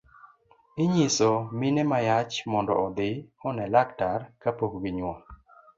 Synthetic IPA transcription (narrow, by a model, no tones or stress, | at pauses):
ɪɲisɔmɪnemajat͡ʃmɔndɔ̰ɔd̪ɪɔnɛlaktarkapokɡiɲwa